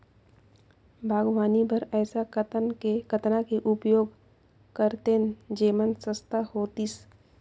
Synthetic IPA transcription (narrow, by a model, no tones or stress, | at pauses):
bʱaːɡʋaːnibʱəɾɛːsakt̪ekət̪nakeʔʊpjoːɡ | kəɾt̪end͡ʒeːmənsə̃st̪ahoːt̪is